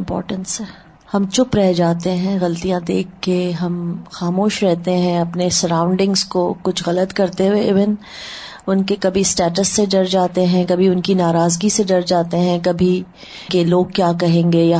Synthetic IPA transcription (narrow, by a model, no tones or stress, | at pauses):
mpɔ̰ːɾʈə̃nsɦɛː | hɐmt͡ʃʊpɾɛɦd͡ʒaːt̪eɦɛ̃ɣɐlt̪ijãd̪eːkʰːeɦɐmxaːmoːʃɾɛɦt̪eɦɛ̃ɐpnesɐɾãʊ̃ɳɖɪ̃ŋɡzkokʊt͡ʃʰɣɐlət̪kɐɾt̪eeɪʋɪn | ʊnkekɐbʱisʈɛːʈəsːeɖɐɾd͡ʒaːt̪eɦɛ̃kɐbʱiʊnkinaːɾaːzɡiseɖɐɾd͡ʒaːt̪eɦɛ̃kɐbʱi | keloːɡ̚kjaːkɐɦẽːŋɡeja